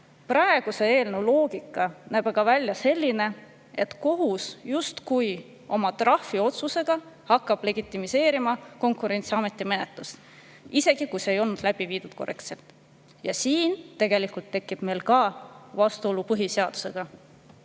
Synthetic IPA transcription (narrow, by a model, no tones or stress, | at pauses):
prɑe̞ɡ̥use̞e̞ːlnelo̞ːɡ̥ikːˑɑnæːb̥ɑɡ̥ɑvælʲjɑse̞lʲːine̞ | e̞t̪ko̞ɦusjust̪kuj | o̞mɑt̪rɑhfio̞t̪suse̞ɡ̥ɑ | hɑkˑːɑb̥le̞ɡ̥it̪ˑːimise̞ːɾimɑko̞ŋkˑuɾe̞nʲt̪siɑme̞t̪ːˑime̞ne̞t̪ˑlust̪ | ise̞ɡ̥ikujseejo̞lnud̪læb̥iviːd̪ud̥̪̚ko̞re̞kt̪se̞lt̪ˑ | jɑsiːnt̪e̞ɡ̥e̞likult̪ːe̞kːˑib̥me̞lkɑvɑst̪uo̞lupɤɦiseɑd̪̥u̥se̞ɡ̥ɑ